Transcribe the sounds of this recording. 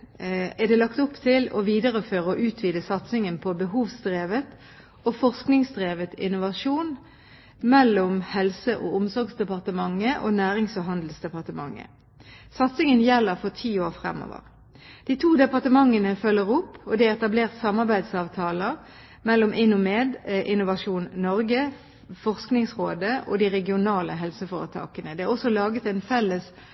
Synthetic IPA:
æd̪ɛːlɑkt̪ʊpt̪ʰɪlɔ̰ʋiːd̪əʁəføːʁəɔʔʉːt̪ʰʋiːd̪əsɑt̪sɪŋənpʰɔbəɦuːʋsd̪ʁeːʋət̪ | oːfɔʁsknɪŋsd̪ʁeːʋət̪ɪnʊʋɑʂuːn | mɛlːʊmhɛlsəʔoʊmsɔɾɡsd̪ɛpɑʁt̪əmɑŋːəʔoːnæːʁɪŋsɔɦɑnd̪l̩sd̪ɛpɑʁt̪əmɑ̰ŋːə̰ | sɑt̪sɪŋənjɛlːəʁfɔʁt̪ʰiːoːʁfʁɛ̰mːɔ̰ʋə̰ʁ | d̪̥iːt̪ʰuːd̪ɛpɑʁt̪əmɑŋːənəfœlːəʁʊpːɔd̪ɛɛt̪ɑbleːʁt̪sɑmːɑʁbæɪd̪sɑːʋt̪ʰɑːlə | mɛlːɔmʔɪnːʊmeːd̪ʔɪnʊʋɑʂuːnnɔʁɡə | fɔʁsknɪŋsʁoːd̪əʔo̰ːd̪iʁɛɡɪʊnɑːləɦɛlsəfoːʁət̪ʰɑ̰ːkənəd̪ɛæʁɔsːɔlɑːɡət̪ɛɪnfɛlːəs

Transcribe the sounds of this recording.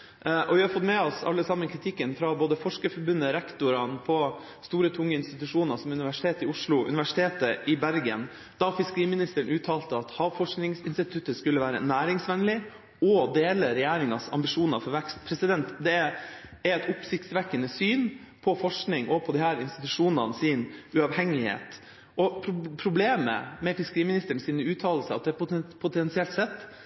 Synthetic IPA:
ʔɔʋɪhɑɾfɔt̪mɛɔsɑ̰lːəsɑmːənkʰɾɪt̪ʰɪkːənfɾɑboːd̪əfɔʂkəfɔɾbʉnːəɾɛkt̪ʊɾɑnpʰɔ | st̪uːɾət̪ʰʊŋːəɪnst̪ɪt̪ʉʂuːnɑsɔmʉnɪʋæʂɪ̥t̪ʰeːt̪ɪʊʂlʊʔʉ̰ɪʋæʂɪ̥t̪ʰeːt̪əʔɪbæɾɡə̰n | d̪̥ɑfɪskəɾiːmɪnɪst̪əɾəɳʔʉːt̪ʰɑːlt̪əɑt̪hɑːʋfɔʂknɪŋsɪnst̪ɪt̪ʰʉt̪ːəskʉlːəʋæːɾə̰næːɾɪŋsʋɛnlɪ | ɔd̪eːləɾɛjæːɾɪŋɑsɑ̰mbɪʂuːnɑfɔɾʋɛkst̪pʰɾɛsɪd̪ɛnt̪d̪ɛææɾɛt̪ʊpsɪçt̪sʋɛkːənəsyːn | pʰɔfɔʂknɪŋʔɔpʰɔd̪ɪhæːɾɪnst̪ɪt̪ʉʂuːnɑnəsɪnʉɑʋhɛŋːɪhḛːt̪ | ʔɔpʰpʰɾʊbleːmə̰mɛfɪskəɾiːmɪnɪst̪əɳsiːnəʉːt̪ʰɑːll̩səɑ̰t̪d̪ɛt̪ppʰʊt̪ʰɛnsɪɛlt̪sɛt̪ː

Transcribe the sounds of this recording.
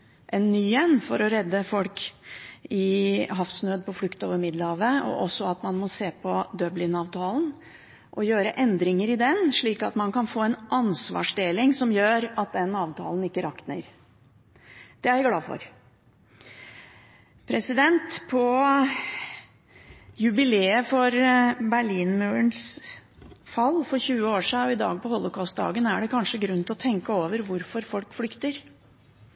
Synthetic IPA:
ʔɛnːyːɛnːfɔɾɔɾɛd̪ːəfɔlk | ɪɦɑfsnøːd̪̚pʰɔflʉkt̪o̰ːʋəɾmɪd̪ləhɑːʋəɔ̰ʔɔsːɔɑt̪mɑnmɔseːpʰɔd̪œblɪnɑːʋt̪ʰɑːln̩ | ʔɔjøːɾəʔɛnd̪ɾɪŋəɾɪd̪ɛnʂɭiːkɑt̪mɑnkɑnfoːɛnʔɑnsʋɑ̰ːʂd̪eːlɪŋsɔmjøːɾɑt̪̚d̪ɛnːɑːʋt̪ʰɑ̰ːln̩ɪkːəɾɑknə̰ɾ | d̪̥ɛæɾæɡlɑːfɔ̰ɾ | pʰɾɛsɪd̪ɛnt̪pʰɔ | jʉbɪleːəfɔɾbæɭiːnmʉːəns | fɑlːfɔɾçʉːəoːʂiːɔɪd̪ɑ̰ːɡ̚pɔhɔlʊkʰɑʊst̪̚d̪ɑ̰ːɡənæɖɛkʰɑnʂəɡɾʉnt̪ɪɔt̪ʰɛŋkəoːʋəɾʋʊɾfɔɾfɔlkflʏkt̪əɾ

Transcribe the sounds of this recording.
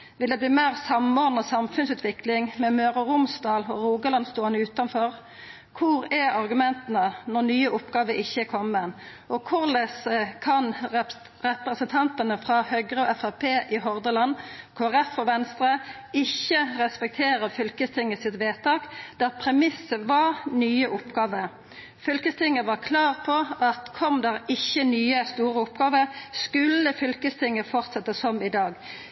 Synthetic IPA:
ʋɪld̪ɛbliːmæːʁsɑmɔʁd̪nəsɑmfʉnsʉːt̪ʰʋɪklɪŋmɛmøːʁəɾʊmsd̪ɑːlɔʁuːɡəlɑnst̪oːɑnʉːt̪ɑnfɔʁ | kʰʊɾɛɑʁɡʉmɛnt̪ənənɔʁnyːəʊpɡɑːʋəʔɪçːəkʰɔmːən | ʔɔkʰʊʁlɛsəkʰɑn | ʁɛpɾəsənt̪ʰɑnt̪ənəfʁɑhœɡʁəɔʔɛfæpʰeːʔɪɦɔʁd̪əlɑnkʰoːæʁɛfɔʋɛnst̪ʁə | ɪçːəʁɛspɛk̚t̪ʰeːʁəfʏlkəst̪ʰɪŋːəsɪt̪ʋeːt̪ɑːkd̪̥æʁpʰʁɛmɪsːəʋɑʁnyːəʔʊpɡɑːʋəɾ | fʏlkəst̪ʰɪŋːəʋɑʁkʰlɑːʁpʰɔʔɑt̪kʰɔmd̪æʁɪçːənyːəst̪uːʁəʊpɡɑːʋəʁskʉlːəfʏlkəst̪ʰɪŋːəfɔʁt̪sɛt̪ːəsɔmɪd̪ɑːɡ

